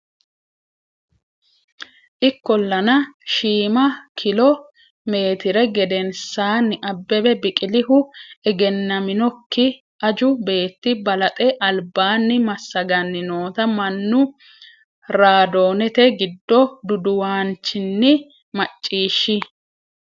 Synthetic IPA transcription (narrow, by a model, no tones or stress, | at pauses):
ʔɪkːɔlːɐnɐʃiːmɐkʰɪlɔ | me̞ːt̪ɪɾɛɡɛd̪ɛnsaːnːɪʔɐbːɛbɛbɪkʼɪlɪhʊɛɡɛnːɐmɪnɔkːɪ | ʔɐd͡ʒʊbe̞ːt̪ːɪbɐlɐt̪ʼɛʔɐlbaːnːɪmɐsːɐɡɐnːɪno̞ːt̪ɐmɐnːʊ | ɾaːd̪o̞ːnɛt̪ɛɡɪd̪ːɔd̪ʊd̪ʊwaːnt͡ʃːɪnːɪ | mɐt͡ʃʼːiːʃːɪ